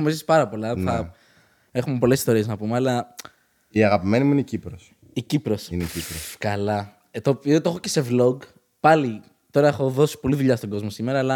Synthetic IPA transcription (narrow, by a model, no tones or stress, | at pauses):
omisi̥pɐɾɐpo̞lɐnθɐ | e̞xumepo̞lesi̥st̪o̞ɾie̞znɐpumeɐlɐ | iɐɣɐpime̞nimuineicipɾos | icipɾo̞sincipɾoskɐlɐ | et̪oot̪oxoce̞se̞vlo̞ɡ | pɐli | t̪o̞ɾɐexo̞ðo̞si̥po̞liðuʎɐst̪o̞ɡo̞zmo̞sime̞ɾɐːlɐ